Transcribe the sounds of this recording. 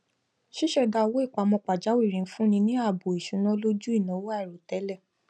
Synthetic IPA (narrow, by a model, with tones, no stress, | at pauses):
ʃi˦ʃɛ˦˨da˧o˧wo˦i˦˨k͡pa˨˦mɔ̃˧k͡pa˨d͡ʒa˨˦wi˦˨ɾĩ˨˦fũ˦nĩ˧nĩ˦a˦˨bo˨i˨ʃu˨˦nã˦lo˦d͡ʒu˦i˦˨nã˨˦wo˦a˦˨ɾo˨tɛ˨˦lɛ˦˨